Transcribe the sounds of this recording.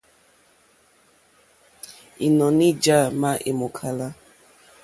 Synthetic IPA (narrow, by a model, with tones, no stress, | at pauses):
i˨nɔ˨ni˦d͡ʒa˦˨ma˦ʔe˨mo˨kʰa˨la˦